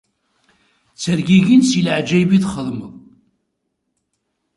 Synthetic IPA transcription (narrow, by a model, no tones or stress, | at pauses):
t͡sːəɾɡiʝinsilʕd͡ʒæjbiðχəðˤməðˤ